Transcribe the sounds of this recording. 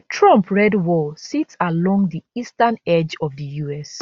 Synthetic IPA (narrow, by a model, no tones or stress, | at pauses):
tʰɹɔ̃mpʰɹɛdwɔsitsalɔ̃ŋdiistãnɛd͡ʒɔvðəjuɛs